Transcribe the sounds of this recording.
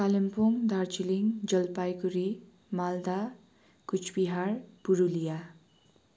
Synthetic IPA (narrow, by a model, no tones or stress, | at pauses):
kalempoŋd̪aɾt͡ʃiliŋd͡ʒʌlpajkuɾi | mald̪a | kut͡ʃʰbiɦaɾpuɾulija